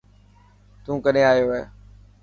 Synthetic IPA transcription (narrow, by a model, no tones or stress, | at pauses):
t̪ũːkəɗeaːɦijoːeː